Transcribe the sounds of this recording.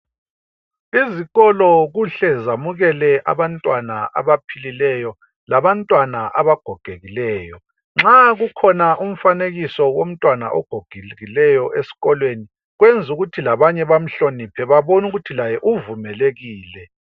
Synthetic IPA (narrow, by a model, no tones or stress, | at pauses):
iziɣɔlɔɣuɬɛzamuɣɛlɛʔa̰βantʼwanaʔa̰βapʰililɛjɔ | laβantʼwanaʔaβaɡ̥ʱɔɡ̥ʱeɣilɛːjɔ | ŋ͡ǁaɣukʰɔnaʔum̩faneɣisɔwom̩tʼwana̰ʔɔ̰ɡ̥ʱoɡ̥ʱiɣilɛjɔʔesi̥ɣɔlweni | ɣwend͡zʱuɣutʰilaβaɲɛβam̩ɬonipʰɛβaβonuɣutʰilajɛʔuvumɛleɣiːlɛ